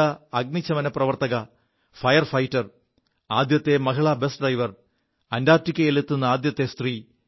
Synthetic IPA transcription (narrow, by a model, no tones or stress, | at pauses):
ɐɐɡ̚nit͡ɕːɐmɐnɐprɐʋɐrt̪ɐɣɐ | fɐjɐrfɐjtːɐr | aːd̪jɐt̪ːe̞mɐɦiɭabe̞stɖrɐjʋɐr | ɐndaːrtikʲːɐjelet̪ːunːɐaːd̪jɐt̪ːe̞st̪riː